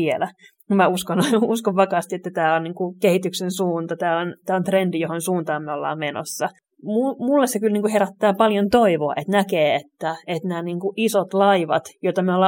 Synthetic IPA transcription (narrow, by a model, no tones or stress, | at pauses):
ielæ | mæuskonuskoʋʋɑkɑːst̪iet̪ːæt̪æːonniːŋkukehit̪yksensuːnt̪ɑt̪æːont̪æːont̪rendijohonsuːnt̪ɑːmːeolːɑ̰ːmmeno̰sːɑ | mumulːessekylniːŋkuheɾæt̪ːæːpɑljont̪oiʋoɑ̰ʔet̪nækeːet̪ːæet̪næːniːŋkuʔisot̪lɑiʋɑ̰t̪jot̪ɑmeolːɑː